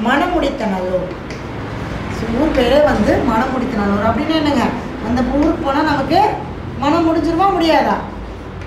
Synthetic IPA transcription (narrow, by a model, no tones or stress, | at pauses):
mɐnɐmʊɽɪt̪ːɐnɐlo | sʊɾpeːɾeːʋɐnd̪ɯmɐnɐmːʊɽɪt̪ːɐnɐloɐpːɐɽɪnːaːɛnːɐŋɡɐ | ɐnd̪ɐpʊŋɯɾpoːnaːnaːŋɡɐpeːɾ | mɐnɐmʊɽɪɲd͡ʒɪɾɯʋaːmʊɽɪjaːðãː